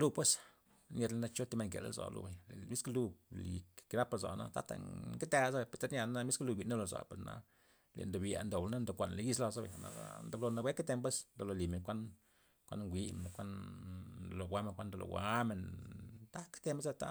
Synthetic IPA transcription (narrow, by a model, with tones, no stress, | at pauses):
lu˧pwe˦s | nje˧d̪la˧na˧t͡ʃo˦t̪i˧me˧ŋkḛ˨la̰˦zo̰˨lṵ˧be˨jle˨mi˦klu˧li˨ki˧na˦pa˧za̰˨na̰˦t̪a˦t̪a̰˧ke˦t̪a˧za˦be˨pe˨t̪a˦ɾnʲja˧n˦a˧mi˦sklu˧bi˨na˦lo˨za̰˨pe˨ɾna̰˧˦ | lḛ˨nd̪o˨bja̰˨nd̪o˨blna˦nd̪o˨kʷa˨n˨le˨ji˦sla˧za˦bḛ˨jna̰˨a̰˦nd̪a˧blo˧na˧wʷe˦ke˦t̪e˧mp̬e˦snd̪o˧˨lo˨li˨me˨nkʷa˦n | kʷa̰˦n˧ŋɡʷi˧me˨n˨kʷa˦n | d̪o˨lo˨ɡʷwa˦me˨nkʷa˦nd̪lo̰˨ɡwa˦me˨nt̪a˦kt̪e˧m˦ze˦t̪a˦